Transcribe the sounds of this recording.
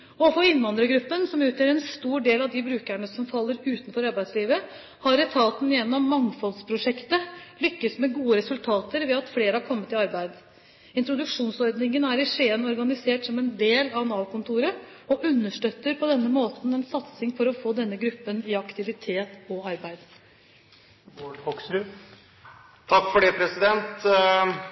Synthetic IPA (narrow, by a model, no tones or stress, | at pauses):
ɔfoɪnːʋɑnd̪ɾəɡɾʉpːənsɔmʉːt̪ʰjøːɾɛnst̪uːɖeːlɑʋd̪ɪbɾʉːkæɳəsɔmfɑlːəɾʉːt̪nfɔɾɑɾbæɪd̪sliːʋə | hɑɾɛt̪ʰɑːt̪n̩jɛnːɔmːɑŋfɔlspʰɾʊʂɛkt̪əlʏkːəsmɛɡuːəɾɛsʉlt̪ʰɑːt̪əɾʋɛɑt̪fleːɾəhɑɾkʰɔmːət̪ɪɑɾbæɪd̪ | ɪnt̪ɾʊd̪ʉkʂuːnsɔɾd̪nɪŋənæːɾɪʂeːənɔɾɡɑnɪseːʈsɔmɛnd̪eːlɑnɑːlkʰʊnt̪ʰuːɾə | ɔʔʉnːəʂʈøːt̪ːəɾpʰɔd̪ɛnːəmoːt̪n̩ɛnsɑt̪sɪŋfɔɾɔfoːd̪ɛnːəɡɾʉpːənɪɑkt̪ɪʋɪt̪ʰeːt̪ɔɑɾbæɪd̪ | ɔɖfɔksʉ | t̪ʰɑkːfɔɖeːpʰɾɛsɪd̪ɛnt̪